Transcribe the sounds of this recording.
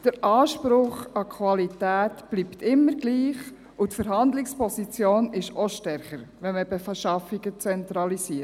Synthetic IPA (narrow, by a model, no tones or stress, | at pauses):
d̥əɾʔɑːʃpɾʊχɑkʰwɑlitæːtb̥liːpt̪ɪmːəɾɡliːχ | utfəɾɦɑndlɪkspɔsit͡sjoːnɪʃɔʃtɛɾχəɾʋɛnməbɛfɛʃɑfiɡ̥ət͡sɛnt̪ɾɑlisiː